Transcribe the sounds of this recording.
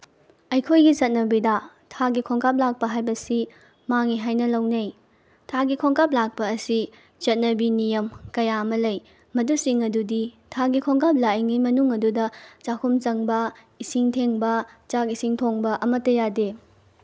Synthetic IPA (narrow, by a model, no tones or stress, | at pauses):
ɐjkʰojɡit͡ʃɐt̚nɐbida | tʰaɡikʰoŋkʰap̚lak̚pɐɦajbɐsi | maŋiɦajnɐlɐwnɐj | tʰaɡikʰoŋkap̬̚lak̚pɐːsi | t͡ʃɐt̚nɐbinijɐmkɐjaɐmɐlɐj | mɐdusiŋɐdudi | tʰaɡikʰoŋkʰap̚lajŋimɐnuŋɐdudɐt͡ʃakʰumt͡ʃɐŋbɐ | isiŋtʰeŋbɐt͡ʃakisiŋtʰoŋbɐʔɐmɐtːɐjade